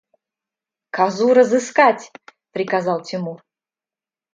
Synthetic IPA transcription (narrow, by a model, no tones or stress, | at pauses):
kazuɾəzɨskatʲpɾʲikazalˠt̪ʰʲimur